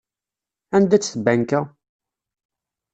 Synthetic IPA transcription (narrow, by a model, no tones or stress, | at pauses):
ænd̪æt͡sːθəbːænkæ